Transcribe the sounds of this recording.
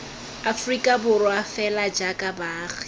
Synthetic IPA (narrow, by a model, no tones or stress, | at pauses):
afrikʼabʊrwafɛlad͡ʒakʼabaːɣi